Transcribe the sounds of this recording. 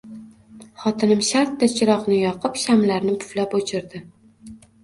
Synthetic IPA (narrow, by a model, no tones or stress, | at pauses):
χɒt̪ʰɪnɪmʃaɾt̪ːat͡ʃʰɪɾɒqnɪjɒqʰɨpʃamlaɾnɪpʰʊ̥flapot͡ʃʰɪɾd̪ɪ